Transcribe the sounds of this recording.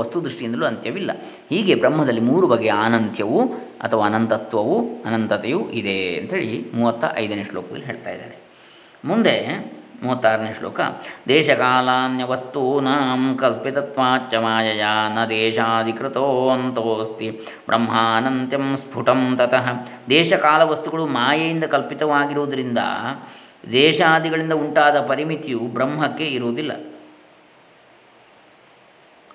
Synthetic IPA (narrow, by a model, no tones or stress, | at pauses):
ɐst̪ud̪ɾiʂʈijind̪ɐluɐnt̪jɐʋilːɐ̰ | hiːɡebɾɐmɦɐd̪ɐlːimuːɾubɐɡejaːnɐnt̪jɐʋu | ɐ̰t̪ʰɐʋaːnɐnt̪ɐt̪ʋɐʋuɐnɐnt̪ɐt̪ejuʔid̪eːɐ̰nt̪ɦeːɭimuːʋɐt̪ːɐ̰ʔɐ̰jd̪ɐneːʂloːkɐɡ̪ɐlːiɦeːɭt̪a̰ːjid̪a̰ːɾe | mund̪emuːʋɐt̪ːaːɾɐneːʂlo̰ːkɐ̰d̪ɛːʃɐkaːlaːnjɐʋɐst̪unaːmkɐlpit̪ɐt̪ʋaːtt͡ʃɐmaːjɐjaːnɐd̪ɛːʃaːd̪ikɾɐt̪oːnt̪oːst̪i | bɾʔɐ̰mɦaːɐnɐnt̪jɐmspʰuʈɐmt̪ɐt̪ɐɦɐd̪ɛːʃɐkaːlɐʋɐst̪uɡɐɭumaːjɐjind̪ɐkɐlpit̪ɐʋaːɡiɾoːd̪ɐɾind̪ɐ̰ | d̪ɛːʃaːd̪iɡɐɭind̪ɐuɳʈaːd̪ɐpɐɾimit̪jubɾɐmɦɐkːe̞iɾoːd̪ilːɐ̰